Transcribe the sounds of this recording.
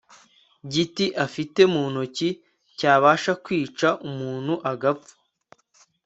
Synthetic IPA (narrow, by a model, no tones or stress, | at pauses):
ɟitiʔafite̞muːnoci | caːβaːʃakwiːt͡ʃaʔumuːn̥huʔaɡap͡fu̥